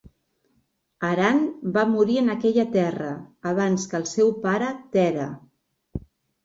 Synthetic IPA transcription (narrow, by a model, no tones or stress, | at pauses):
əɾanbamuɾiənəkɛʎət̪ɛrəːβ̞anskəlˠsɛwpaɾət̪ɛɾə̰